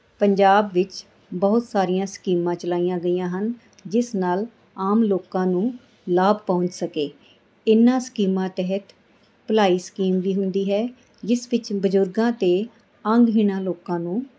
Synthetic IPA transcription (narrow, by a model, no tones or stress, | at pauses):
pəɲd͡ʒaːbʋɪt͡ʃ | bɔːʊt̪saːɾijãːskiːmãːt͡ʃəlaːiːjãːɡəijãːɦən | d͡ʒɪsnaːl | aːmloːkãːnũː | laːbpɔ̃ʊ̃ɲt͡ʃsəkeː | ɪnːãːskiːmãːt̪ɛɦət̪ | pəlaːiːskiːmʋiːɦʊnd̪iːɦɛː | d͡ʒɪsʋɪt͡ʃbəzʊɾɡãːt̪eː | əŋɡɦiːnãːloːkãːnũː